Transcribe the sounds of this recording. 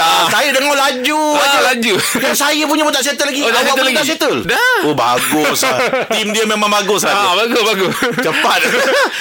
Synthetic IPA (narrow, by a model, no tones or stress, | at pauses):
asajədəŋɔlad͡ʒuad͡ʒulad͡ʒujasajəp̬uɲabət̪aʔs̬et̪əlaɡidabaəat̪aʔs̬et̪əldaoba̰ɡʊsat̪imdiəmemãŋbaɡʊslabaɡʊsbaɡʊst͡ʃəpat̪̚